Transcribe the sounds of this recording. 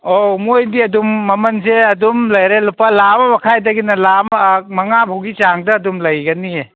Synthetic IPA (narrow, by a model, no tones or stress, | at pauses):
omojdiɐdumːɐmɐnseɐdumlɐjɾelupalamɐbɐkʰajdɐɡinɐlammɐŋabʰʱowɡit͡ʃaŋdɐːdumlɐjɡɐnie